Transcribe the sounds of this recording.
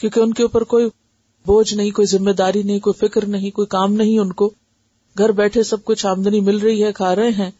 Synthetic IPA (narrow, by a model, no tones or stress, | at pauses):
kjõːkeʊnkeuːpəɾkoːi | boːd͡ʒnɐɦĩkoːizɪ̃mːeːd̪aːɾinɐɦĩkoːifɪkɾnɐɦĩkoːikaːmnɐɦĩʊnko | ɡʱɐɾbɛːʈʰesɐb̚kʊt͡ʃʰʃaːmd̪ənimɪlɾɐɦiɦɛkʰaːɾɐɦẽɦɛ̃ː